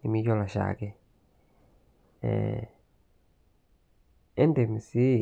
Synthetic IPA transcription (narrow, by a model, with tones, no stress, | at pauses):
ni˨mi˦jɔ˦la˨ʃa̰˨kɛ˦ | ɛ̰ | ɛ˦ndɛ˨mi˨si˦